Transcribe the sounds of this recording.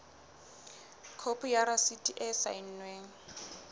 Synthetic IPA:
kʰopʰʊjaɾasitʼiʔɛsa̰in̩nweːŋ̩

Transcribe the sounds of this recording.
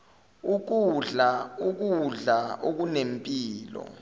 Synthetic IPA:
uk̬uɮauk̬uɮaʔok̬unempʼiːlɔ̰

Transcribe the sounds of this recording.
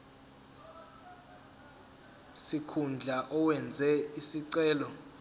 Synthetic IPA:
sikʰund͡ɮʱaʔɔwɛnd͡zʱɛisiǀɛːlɔ

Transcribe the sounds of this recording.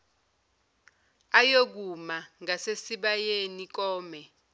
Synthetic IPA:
ajok̬umaŋasesiɓajenik̬ɔːmɛ

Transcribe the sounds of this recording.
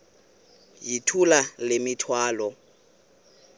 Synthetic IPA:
jitʰulalɪmɪtʰwaːlɔ

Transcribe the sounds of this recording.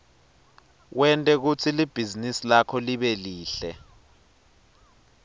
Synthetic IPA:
wɛntʼɛk̬ut͡sʰilib̥ʱizinisilakʰɔliɓɛliːɬɛ

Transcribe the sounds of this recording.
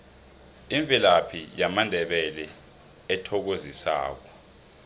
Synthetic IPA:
iɱb̪vilapʰijamandʱɛɓɛlɛ | ɛtʰɔk̬ozisa̰ːk̬ɔ

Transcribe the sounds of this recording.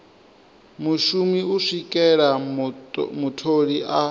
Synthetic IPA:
muʃumiuʂikʼɛɺa | mutʰoɺiʔa

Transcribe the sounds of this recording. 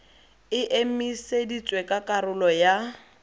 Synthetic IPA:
ɪʔemisedit͡sʼwekʼakʼaɾʊlɔja

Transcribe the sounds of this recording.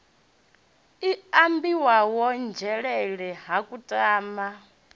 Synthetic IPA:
iambiwawɔnd͡ʒɛɺɛɺɛɦakʼutʼaːma

